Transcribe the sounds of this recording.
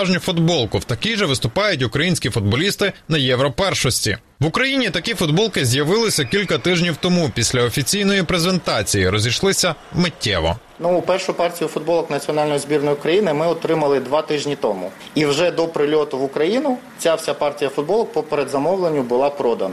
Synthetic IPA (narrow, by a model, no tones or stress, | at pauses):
ʒnʲfʊd̪bɔlˠkʊwt̪ɐkʲijʒɛʋɪst̪ʊpɑjʊtʲʊkɾɐjinʲsʲkʲifʊd̪̚bɔlʲist̪ɪnɐjɛʋɾɔpɛrʃɔsʲtʲḭ | ʋʊkɾɐjinʲit̪ɐkʲifʊd̪̚bɔlˠkɪzʲjɐʋɪlˠɪsʲɐkʲilʲkɐt̪ɪʒnʲiwt̪ɔmupʲisʲlʲɐɔfʲit͡sʲijn̪ɔjipɾezent̪ɑt͡sʲijiɾɔzʲiʃlˠɪsʲɐ | mɪtʲʰːɛ̰ʋɔ̰ | nuːpɛrʃʊpɑrtʲijʊfʊd̪̚bɔlˠɔknɐt͡sʲiɔnɑlʲnɔjizbʲirnɔjʊʊkɾɐjinɪmɪɔt̪ɾɪmɐlˠɪd̪ʋɑt̪ɪʒnʲit̪ɔmʊ̰ | iwʒɛd̪ɔpɾɪlʲɔt̪ʊʋʊkɾɐjinʊ | t͡sʲawsʲapɑrtʲijɐfʊd̪bɔlˠɔk̚pɔpeɾed̪zɐmɔwlˠenʲːʊbʊlˠɑpɾɔd̪ɐnɐ